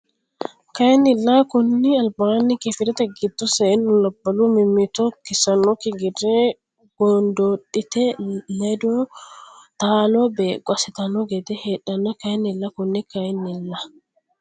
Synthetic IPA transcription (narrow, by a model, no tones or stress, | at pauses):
kɐnːɪlːakʊnːiɐlbaːnːikɛfɪɾɛt̪ɐɡɪd̪ːɔsɛːnːʊlɐbːɐlumɪmːɪt̪ɔkɪsɐnːɔkɪɡɪrːɛ | ɡ̥ɔnd̪oːɗɪt̪ɛnɐjd̪ɔ | t̪aːlɔbeɡʷʼɐsɪt̪ɐnːɔɡɛd̪ɛheɗːɐnːɐkɐnːɪlːɐkʊnːɪkɐnːɪlːa